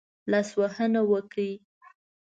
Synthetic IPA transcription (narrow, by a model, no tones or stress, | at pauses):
laswahənawəki